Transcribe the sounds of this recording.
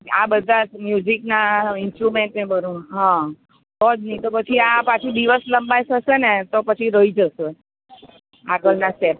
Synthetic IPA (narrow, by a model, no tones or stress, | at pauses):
a̰bəd̪ʱamjud͡ʒiknaɪnsʈɾumẽɳʈnebəɾũɦã | tɔd͡ʒnəĩt̪opət͡ʃʰiapat͡ʃʰid̪iʋəsləmbajʃəʃenet̪opət͡ʃʰiɾəɦid͡ʒəʃe | aɡəɭnasʈep̚